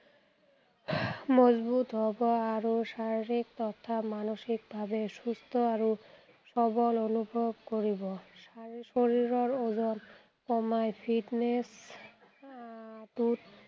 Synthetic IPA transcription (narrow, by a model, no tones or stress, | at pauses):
mɔzbut̪ɦɔbɔaɹosaɹiɹik̚t̪ɔtʰːamanoʃikbʱabesust̪ʰɔaɹu | sɔbɔlonubʱɔbkoɹibɔsasoɹiɹɔɹozɔn | kɔmajpʰiʈnes | t̪ut̪